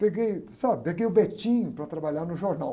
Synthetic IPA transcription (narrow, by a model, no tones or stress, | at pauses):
peɡejsabɪpeɡejʊbet͡ʃĩɲʊpɾɐt̪ɾabaʎaɾnʊʒoɾnaw